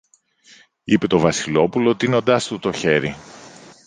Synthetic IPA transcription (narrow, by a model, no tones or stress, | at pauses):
ipe̞t̪o̞vɐsilo̞pulot̪ino̞nd̪ɐst̪ut̪o̞çe̞ɾi